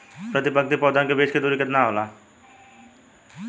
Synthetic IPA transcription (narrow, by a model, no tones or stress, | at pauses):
pɾət̪ɪpək̚t̪ipɔːd̪ʱankebeːʃked̪uːɾikət̪naɦoːla